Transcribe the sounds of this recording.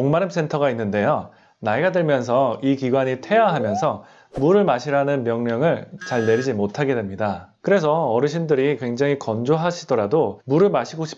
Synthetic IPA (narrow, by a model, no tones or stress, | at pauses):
oŋmaɾɯms͈ʰe̞ntʰʌɡainːɯnde̞jo | naiɡadɯɭmjʌns̬ʰʌikiɡwaɲitʰe̞jaɦamjʌnsʰʌ | muɾɯɭmaɕʰiɾanɯnmjʌŋɲjʌŋɯɭt͡ɕaɭne̞ɾid͡ʑimotʰaɡe̞dwe̞mɲidakɯɾe̞s̬ʰʌʌɾɯɕʰindɯɾikwe̞ŋd͡ʑaŋikʌnd͡ʑoɦaɕʰidʌɾadomuɾɯɭmaɕʰiɡoɕʰi̥p